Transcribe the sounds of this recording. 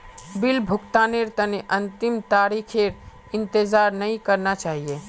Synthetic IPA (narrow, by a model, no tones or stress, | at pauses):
bɪlbʱʊkt̪aːneɾt̪əneʔənt̪ɪmt̪aːɾikʰeɾ | ɪnt̪ɪzaːɾnəĩkəɾnat͡ʃaːɦije